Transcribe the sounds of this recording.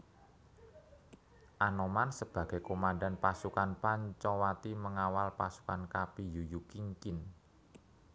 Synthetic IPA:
ʔanomansəb̥ä̤ɡ̥ɛ̤komanda̤npasukanpaɲt͡ʃɔwat̪iməŋawalpasu̥kankapijujukiŋkɪn

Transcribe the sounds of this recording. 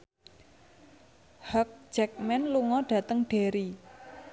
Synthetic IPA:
hɔk̚d͡ʒ̥ɛk̚mɛnluŋɔɖ̥ä̤t̪əŋɖ̥e̤ɾi

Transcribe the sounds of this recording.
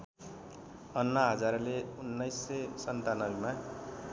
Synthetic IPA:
ʌnːʌɦʌd͡zarleunːʌjsːʌsʌnt̪anʌbima

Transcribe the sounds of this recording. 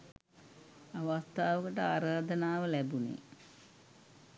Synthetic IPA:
aʋast̪aːʋəkəʈəaːɾaːd̪ənaːʋəlæbunḛ

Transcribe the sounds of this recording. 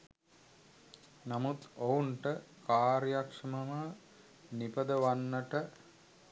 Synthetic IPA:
namut̪ouɳʈəkaːɾjakʂɐmɐmə | nipəd̪əʋanːəʈə

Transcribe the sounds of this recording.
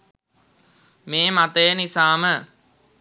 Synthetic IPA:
meːmat̪əjənisaːmə

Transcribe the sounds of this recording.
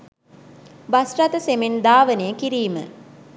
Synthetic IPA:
basrat̪əsemend̪aːʋənejəkiɾiːmə̰

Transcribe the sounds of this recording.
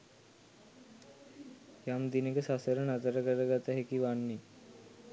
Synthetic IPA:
jamd̪inekəsasəɾənat̪əɾəkəɾəɡat̪aɦekiʋaɳːi

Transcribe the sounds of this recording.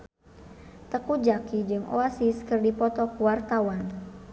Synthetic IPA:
t̪əkud͡ʒakid͡ʒɨŋʔo̰asiskɨrdipɔt̪ɔkuwart̪awan

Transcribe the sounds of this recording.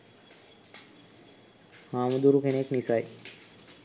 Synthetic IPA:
haːməd̪uɾukeneknisaj

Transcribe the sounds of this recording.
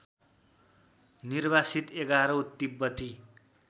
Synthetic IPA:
nirbasit̪eɡaɾʌwt̪ːibːʌt̪i

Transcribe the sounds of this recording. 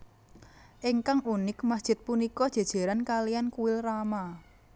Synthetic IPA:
ʔiŋkaŋunɪkmasd̥ʒ̥ɪ̤t̪̚punikɔd̥ʒ̥a̤d̥ʒ̥a̤ɾankalijankuwɪlrama

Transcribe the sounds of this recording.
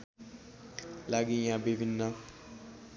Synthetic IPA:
laɡijabebinːa

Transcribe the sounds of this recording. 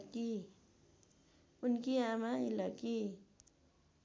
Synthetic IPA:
ki | ʊnkiamailaki

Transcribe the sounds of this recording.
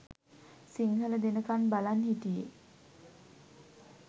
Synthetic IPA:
siŋɦələd̪enəkanbalanhit̪ijḛ

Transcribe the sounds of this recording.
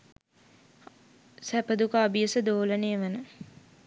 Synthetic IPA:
sæpəd̪ukaːbijəsəd̪oːlənejːʋənə

